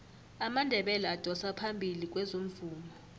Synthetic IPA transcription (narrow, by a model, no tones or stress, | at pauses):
amandʱɛɓɛlaad̥ʱɔsapʰambʱilik̬ʼwɛzoɱ̩vuːmɔ